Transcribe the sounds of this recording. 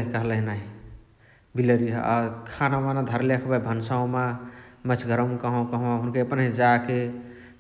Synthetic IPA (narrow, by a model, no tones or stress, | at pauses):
ɦikəɦləɦnaɦi | bileɾiɦa̰kʰanamanad̪ʱəɾlekʰbabʱənsaõmamət͡ʃʰɡʱəɾəmkəɦɔ̃kəɦõaɦunkeəpənɦĩd͡ʒake